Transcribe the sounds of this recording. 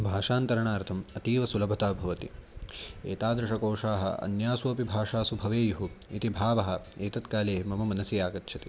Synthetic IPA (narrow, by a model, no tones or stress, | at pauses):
bʱaːʂaːnt̪ɐɾɐɳaːɾt̪ʰɐmɐt̪iːʋɐsulɐbʱɐt̪aːbʱɐʋɐt̪ḭ | eːt̪aːd̪ɾɪʂɐkoːʂaːɦɐ̰ɐ̰njaːsuɐpibʱaːʂaːsubʱɐʋeːjuɦuit̪ibʱaːʋɐɦɐ̆eːt̪ɐt̪kaːleːmɐmɐmɐnɐsijaːkɐt̪ːʃʰɐt̪i